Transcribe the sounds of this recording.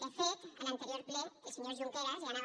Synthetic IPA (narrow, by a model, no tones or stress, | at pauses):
d̪əfet̪ənənt̪əɾijoɾpleəlˠsəɲozʒuŋkeɾazlana